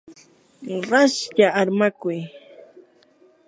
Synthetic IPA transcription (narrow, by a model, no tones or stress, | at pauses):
ɾaʃʎaaɾmakʊj